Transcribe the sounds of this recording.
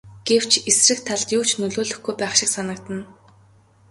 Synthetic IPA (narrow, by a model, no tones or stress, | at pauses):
ɡ̥ew̥t͡ɕʰesrɘ̆k̚t̪ʰaɮt̪juːt͡ɕʰnɵɮoːɮɵ̆xɡujpæːχʃɪ̆ksanə̆kt̪ə̆n